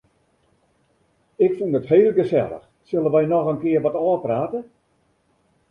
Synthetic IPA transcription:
ɪkfundətɦeːlˠɡəsɛ̰lˠə̰x | sɪləʋɛjnɔxənkɪːərʋɔtɔːpraːtə

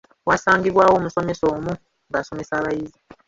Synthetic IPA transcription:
wasaːŋɡiβwaːwo̞ːmuso̞me̞soːmu | baso̞me̞saːβajizi

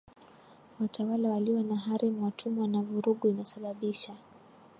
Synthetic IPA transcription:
watawalawaliwanaɦaɾʔɛmwatʰumwanavuɾuɠuinasaɓaɓiʃa

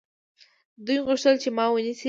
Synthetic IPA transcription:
d̪ujɣʊʂt̪əlt͡ʃemɑwənisi

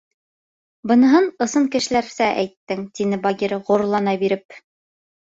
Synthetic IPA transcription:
bɤ̆nɤ̆ɦɤnɤ̆sɤŋkɘ̆ʃɘ̆læɾsæʔæjt̪ːɘŋt̪inɘbɑɡʲiɾʁŏɾ̆lˠɑnɑbiɾɘp̚

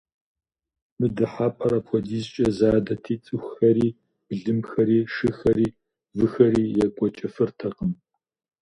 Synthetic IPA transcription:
mɨdɨħaːpʼɐɾɐkʷʰɔdiːzt͡ʃʼɐzaːdɐtʰiːt͡sʼɨxxɐɾiː | ɮɨmxɐɾiːʂɨxɐɾiː | vɨxɐriːjɛɡʷʼɔt͡ʃʼɐfɨrtʰɐqəm

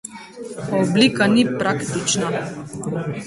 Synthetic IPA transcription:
ɔblikanipɾakt̪it͡ʃna

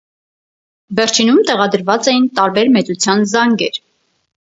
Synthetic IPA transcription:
vɛɾt͡ʃʰinumt̪ɛʁɑd̪əɾvɑt͡sɛjint̪ɑɾbɛɾmɛt͡sut͡sʰjɑnzɑŋɡɛɾ

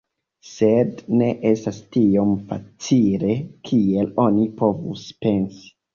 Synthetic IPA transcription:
se̞dne̞ʔe̞stastio̞mpa̰t͡siɾe̞kʰie̞lo̞nipo̞vṵspe̞nsi̥

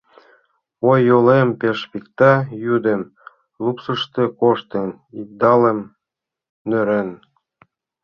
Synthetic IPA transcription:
ojːolempʲerʃpʲikt̪ɑjyd̪em | lupsəʃt̪ekoʃt̪ə̆n | id̪ɑləm | nøɾen

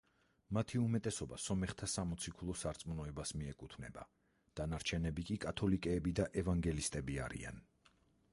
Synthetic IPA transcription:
mat̪ʰiumɛt̪ʼɛsɔba̰sɔmɛχt̪ʰasamɔt̪sʰikʰulˠɔsaɾt̪sʼmunɔɛbasmiɛkʼut̪ʰnɛ̰ba | d̪̥anaɾt͡ʃʰɛnɛbikʼikʼat̪ʰɔlikʼɛːbid̪aʔɛvaŋɡɛlist̪ʼɛbia̰ɾḭa̰n

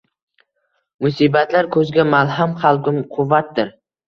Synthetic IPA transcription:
mʊsiːbat̪laɾkʰɵzɡʲamalˠɦamχalˠɡʲʊmqʰʊvːat̪̚d̪ɪɾ

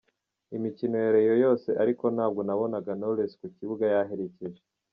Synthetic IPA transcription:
imicino̞jaɾejo̞jo̞ːse̞ʔaɾiko̞nhaːb̚ɡo̞naβo̞naɡanoleskuciβuɡajaɦe̞ɾe̞ceʒe

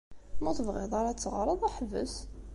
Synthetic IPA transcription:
muθəvʁɪ̰ðˤɑɾˤæt͡sːəʁɾˤəðˤæħəvə̰s

